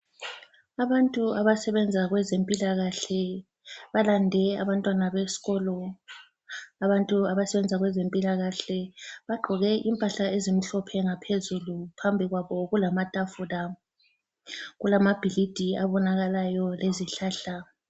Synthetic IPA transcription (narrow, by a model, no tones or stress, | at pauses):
aβantʼuaβasɛβɛnd͡zʱaɣwɛzempʼilaɣaɬɛ | βalandʱɛa̰βantʼwanaβesi̥ɣɔlɔ | aβantʼuaβasɛβɛnd͡zʱaɣwɛzempʼilaɣaɬɛβaɡ͡ǃʱɔɣɛʔimpʼaɬaezim̩ɬɔpʰɛŋapʰezulupʰambʱiɣwaβɔɣulamatʼafula | ɣulamab̥ʱilid̥ʱiaβɔnaɣalajɔleziɬaːɬa